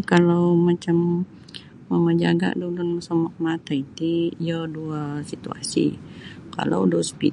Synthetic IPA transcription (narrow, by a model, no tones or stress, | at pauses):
kalawmat͡ʃamː | əməd͡ʒa̰ɡa̰dulʊnməsɔmɔk̚mat̪ait̪iijəduasit̪ua̰sḭka̰la̰wdɔspi